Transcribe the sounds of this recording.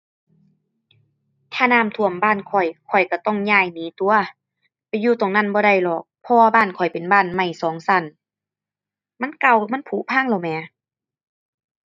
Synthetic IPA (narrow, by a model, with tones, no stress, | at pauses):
t̪ʰaː˧˨naː˧˥˨mt̪ʰu˧˩˨əmbaː˧˥˨nkʰɔ˨˩jkʰɔ˨˩jka˧˩t̪ɔ˧˥˩ŋɲaː˧˩˨jniː˨˦t̪u˧˨˦ɐ | pa˨jːuː˧˩t̪oː˨˩ŋna˧˥˨nbɔː˧˦ɾa˧˩jlɔː˨˩k̚pʰɔ˧waː˧baː˧˥˨nkʰɔ˨˩jpe˨nbaː˧˥˨nma˧˩jsɔː˨˦ŋsa˧˩˨n | ma˧˥˨nka˧˩˨wma˧˥˨npʰuː˨˧˦pʰaː˧˥˨ŋlɔ˧˩wmɛː˨˧˦